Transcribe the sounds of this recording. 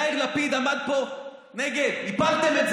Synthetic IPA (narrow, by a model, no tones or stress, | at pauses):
iʁlapid̪amad̪poneɡed̪ipalt̪emez